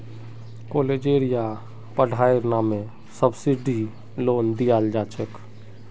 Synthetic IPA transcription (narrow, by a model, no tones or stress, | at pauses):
koːled͡ʒeːɾija | pəɖʱaːeɾnaːmẽ | səbsiɖi | loːnd̪ijaːld͡ʒaːt͡ʃʰək